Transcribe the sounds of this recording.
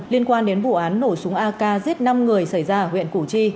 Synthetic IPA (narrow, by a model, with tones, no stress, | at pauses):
li˧ənkwaː˧nɗe˨˦nvṵ˧˨ʔaː˨˦nːo˧˩jsʊ˨˦ŋʔaː˧kaː˧zi˦˥əp̚na˧mŋɨ˨˩əjsa˧˩jzaː˧ɦwḭ˧˨ənku˧˩t͡ɕi˧